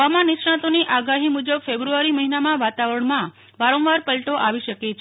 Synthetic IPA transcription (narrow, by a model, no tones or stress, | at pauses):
ʋamãniʃɳãt̪oniʔaɡaɦimud͡ʒəbfebɾuaɾiməɦinamãʋat̪aʋəɾəɳmã | ʋaɾɔ̃ʋaɾpəlʈoʔaʋiʃəket͡ʃʰ